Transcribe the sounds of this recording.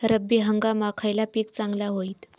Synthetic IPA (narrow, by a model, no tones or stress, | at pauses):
ɾəbːiɦəŋɡamakʰajlapiːkt͡saŋɡlaɦoiːt̪